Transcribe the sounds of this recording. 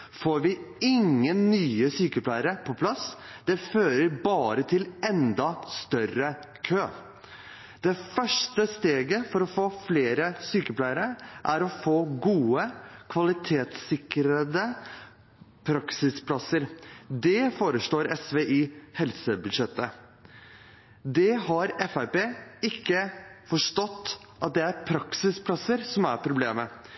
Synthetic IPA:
foːɾʋɪɪŋːənːyːəsyːkəplæɪəɾəpʰɔpʰlɑs | d̪̥ɛføːɾəɾbɑːɾət̪ʰɪlɛnd̪ɑst̪œrə | kʰøː | d̪̥ɛfœʂʈəst̪eːɡəfɔɾɔfoːfleːɾəsyːkəpʰlæɪəɾəʔæɾɔfoːɡuːəkʰʋɑlɪt̪ʰeːt̪sɪkɾəd̪ə | pʰɾɑksɪspʰlɑsəɾd̪ɛfoːɾəʂɭoːɾɛsʋeːʔihɛlsəbʉd̪ʂɛt̪ːə | d̪ɛɦɑɾɛfæɪpeːɪkːəfɔʂʈɔt̪ː | ʔɑt̪̚d̪ɛæɾpʰɾɑksɪspʰlɑsəɾsɔmæɾpʰɾʊbleːmə

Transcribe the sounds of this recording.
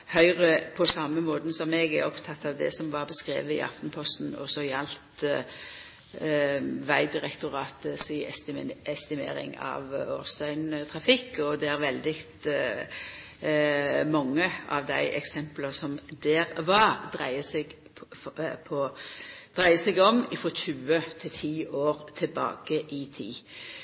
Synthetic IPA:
hœʏʁəpʰɔsɑmːəmoːd̪n̩sɔmɛɡæɾɔpt̪ʰɑt̪ːɑʋd̪ɛ̰sɔmʋɑɾbəskɾḛːʋəɪ̰ʔɑ̰ft̪n̩pʰɔst̪n̩ɔ̰sɔɪɑlt̪ | ʋæɪd̪ɪɾɛkt̪ʊɾɑːt̪əsɪɛst̪ɪmḛːɾɪ̰ŋɑ̰ʋoːɾst̪œʏnt̪ʰʁɑfɪkːɔd̪ɛæɾʋɛld̪ɪkt̪ | mɑŋːəʔɑ̰ʋd̪æɪʔɛksɛmpləsɔmd̪eːɾʋɑd̪ɾæɪəsɛɡ | pʰɔd̪̥ɾæɪəsɛɡɔmɪfʁɔʃʉːət̪ʰɪt̪ʰiːʔoːɾt̪ʰɛlbɑ̰ːɡ̥əʔɪt̪ʰḭː

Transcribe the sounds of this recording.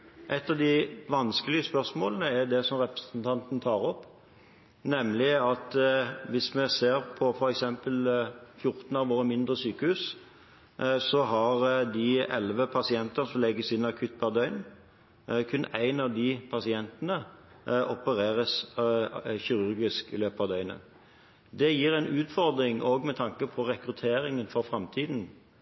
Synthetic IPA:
ʔɛt̪ːɑʋd̪ɪʋɑnskəlɪəspœʁsmoːlənəɛd̪ɛsɔmɾɛpɾəsnt̪ʰɑnt̪n̩t̪ʰɑːɾɔpː | nɛmlɪɑt̪ʋɪsmɛseːɾpʰɔfɔɾɛksɛmpəlfjʊɾt̪nɑʋʋoːɾəmɪnd̪ɾəsyːkəhʉːs | sɔɦɑɾd̪ɪɛ̰lʋəpʰɑsɪɛnt̪əsɔmlɛɡːəsɪnːɑkʰʉt̪̚bɑd̪œʏn | kʰʉnːʔæɪnɑʋd̪ipʰɑsɪɛnt̪ənə | ʔɔpəɾeːɾəs | çɪɾʉɾɡɪskɪ̰løːpɑʋd̪œʏnə̰ | d̪ɛjiːɾæɪnʔʉːt̪fɔɾd̪ɾɪŋʔoːɡmɛt̪ʰɑŋkəpʰɔɾɛkɾʉt̪ʰeːɾɪŋənfɔɾfʁɑmt̪ʰiːd̪n̩

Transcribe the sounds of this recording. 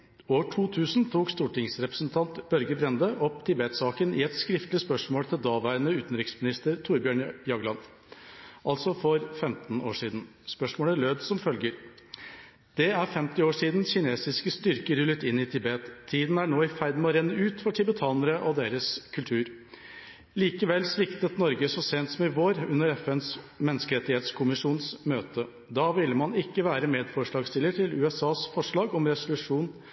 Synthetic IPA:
oːʈʰuːt̪ʰʉːsnt̪ʰuːkst̪uːʈɪŋsɾɛpɾəsn̩t̪ʰɑnt̪bœɾɡəbɾɛnd̪əʔɔpt̪ʰɪbeːt̪sɑːkənɪ̰ːɛt̪skɾɪft̪lɪspœʂmoːlt̪ʰɪld̪ɑːʋæɾənəʉːt̪n̩ɾɪksmɪnɪst̪əɾt̪ʰuːɾbjøːɳjɑɡlɑn | ʔɑlsɔfɔɾfɛmt̪n̩o̰ːʂiːd̪n̩spœʂmoːləɭøːd̪sɔmfœlɡəɾ | d̪̥ɛæɾfɛmt̪ɪoːʂiːd̪n̩çɪneːsɪskəst̪ʏɾkəɾʉlːət̪ɪnːɪt̪ʰɪbeːt̪ʰːiːd̪n̩æɳoːɪfæɪd̪mɔɾɛnːəʉːt̪fɔʈʰɪbət̪ʰɑːnəɾəʔɔd̪eːɾəskʰʉlt̪ʰʉːɾ | liːkəʋɛlsʋɪkt̪ət̪nɔɾɡəsɔseːnt̪sɔmɪʋoːɾʉnːəɾɛfɛns | mɛnːəskəɾɛt̪ːɪheːt̪skʰʊmɪʂuːnsmøːt̪ə | d̪ɑːʋɪlːmɑnɪkːəʋæːɾəmeːd̪fɔʂɭɑːɡst̪ɪləʈʰɪlʉːɛsɑːsfɔʂɭɑːɡɔmɾɛsʊlʉʂuːn

